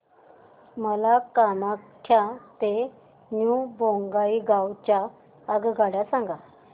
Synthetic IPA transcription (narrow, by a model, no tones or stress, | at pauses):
məlakamakʰːjat̪e | nubõŋɡaiɡawt͡ɕjaː | ɡɡaɽasãŋɡa